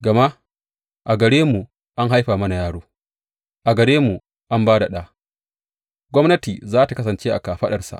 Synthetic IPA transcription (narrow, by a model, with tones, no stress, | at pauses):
ɡɐ˨ma˦ | ʔa˨ɡɐ˨ɽeː˦mu˨ | ʔa˦ŋɦa˦jɸaː˨mɐ˦na˨jaː˦ɽoː˦ | ʔa˨ɡɐ˨ɽeː˦mu˨ | ʔa˦mbaː˦da˨ɗaː˦ | ɡʷɔ˦mnɐ˦tiː˨zaː˦ta˨kɐ˦sɐ˨nt͡ʃeː˦ʔa̰˨kaː˨ɸɐ˦ɗɐ˨rsa̰˨ʔ